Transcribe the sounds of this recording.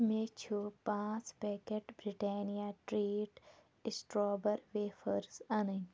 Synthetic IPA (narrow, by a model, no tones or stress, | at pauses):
meːt͡ʃʰupãːt͡speːkeʈbɾiʈeːnijaːʈɾiːʈ | ɪsʈɾoːbəɾʋeːfʰəɾsɐnə